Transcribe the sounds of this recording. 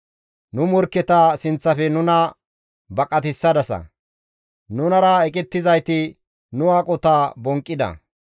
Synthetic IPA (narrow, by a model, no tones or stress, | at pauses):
nʊmɔɾkːɛt̪aːsɪnt͡sːɐfɛnʊnɐ | bɐkʼɐt̪ɪsːɐd̪ɐsɐ̰ | nʊnɐɾɐɛkʼɪt̪ːɪzɐjt̪ɪ | nʊwaːkʼɔt̪aːbɔŋkʼːɪd̪ɐ̰